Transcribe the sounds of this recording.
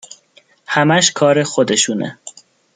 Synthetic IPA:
hæmæʃkʰɒːɾexod̪eʃuːnʔḛ

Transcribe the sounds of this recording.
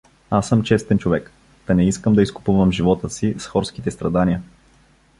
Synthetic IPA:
asːɤmt͡ʃɛst̪ɛnt͡ʃovɛk | t̪ɐnɛiskəmd̪ɐiskʊ̥puvəmʒivɔt̪əsisxɔɾsk̟it̪ɛst̪ɾɐd̪aniə

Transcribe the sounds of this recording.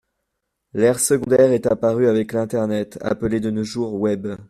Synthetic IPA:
lɛʁsəɡɔ̃d̪ɛʁɛt̪apaʁyavɛklɛ̃t̪ɛʁnɛt̪a̰pəled̪ənoʒuʁwɛb

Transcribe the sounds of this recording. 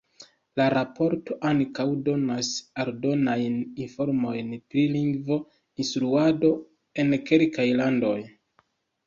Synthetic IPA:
laɾapʰo̞ɾto̞ʔaŋkawdo̞nasaldo̞najninfo̞ɾmo̞jntɾiliŋɡvo̞ | instɾuado̞ | e̞nke̞lkajlando̞j

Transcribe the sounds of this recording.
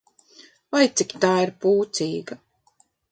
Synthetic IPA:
vajt̪sikʲt̪aːiɾpuːt̪siːɡa

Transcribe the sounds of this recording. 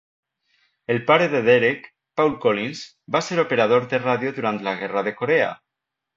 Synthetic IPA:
elpaɾeðeðeɾek | pawlkolinz | baseɾopeɾað̞oɾðeraðjoðuɾant̪laɣɛraðekoɾea̰

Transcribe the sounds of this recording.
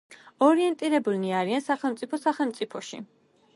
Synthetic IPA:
ɔɾiɛnt̪ʼiɾɛbulniaɾiansaχɛlˠmt̪sʼipʰɔsaχɛlˠmt̪sʼipʰɔʃḭ

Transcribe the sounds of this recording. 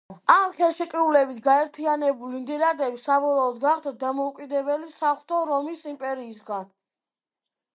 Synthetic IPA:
amχɛlˠʃɛkʼɾulɛbit̪ʰɡaɛɾt̪ʰianɛbulind̪ɛɾad̪ɛbisabɔɾɔːd̪ɡaχd̪ad̪amɔukʼid̪ɛbɛlisaχt̪ʰʼɔɾɔmisimpʼɛɾiːsɡan

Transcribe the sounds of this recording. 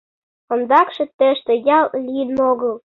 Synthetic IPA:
ŏnd̪ɑkʃĕt̪ə̆ʃt̪ĕjɑllijənoɣɤ̆l

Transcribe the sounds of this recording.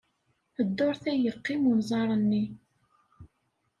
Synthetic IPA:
əd̪ːoɾθæjəqːimunzˤɑɾˤənːi

